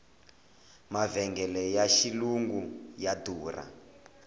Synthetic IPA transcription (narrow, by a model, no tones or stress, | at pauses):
mavɛŋɡɛlɛjaʃiluŋɡujaduːra̰